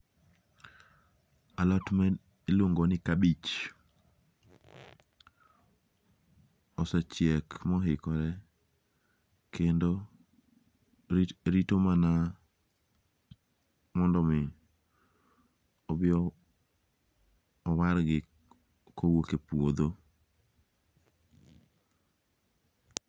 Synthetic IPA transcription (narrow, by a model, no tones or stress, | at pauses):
alɔtmɛ | eloŋɡɔnɪkabit͡ʃ | ɔsat͡ʃjɛkmɔɦɪkɔɾɛ | kendo | ɾitomana | mɔndɔmɪ | ɔbɪɔ | waɾɡɪ | kʰowokepod̪o